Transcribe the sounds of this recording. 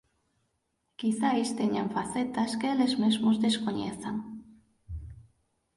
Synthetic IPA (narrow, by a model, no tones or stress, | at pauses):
kiθaest̪eɲaɱfaθet̪askeelezmezmozðeskoɲeθaŋ